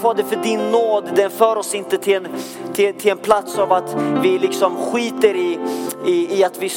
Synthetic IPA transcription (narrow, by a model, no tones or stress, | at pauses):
vɑːd̪ɛfœɖɪnːoːd̪d̪ɛnfœːɾɔsɪnt̪ət̪ʰɪn | t̪ʰɪt̪ʰɪlɛnpʰlat̪savat̪vɪlɪksɔmɧiːt̪əɾɪɪːat̪vɪs